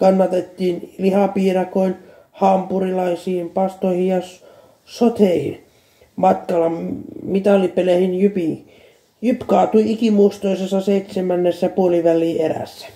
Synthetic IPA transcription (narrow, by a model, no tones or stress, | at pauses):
kɑnːɑt̪et̪ːiːnlihɑpiːrɑkoin | hɑmpurilɑisiːmpɑst̪oihijɑs | sot̪eihḭn | mɑt̪kɑlɑmmit̪ɑlːipelehinjypi | jypkɑːt̪uiikimust̪oisesːɑseit̪semænːesːɑpuoliʋælːˑiːeræ̰sːæ̥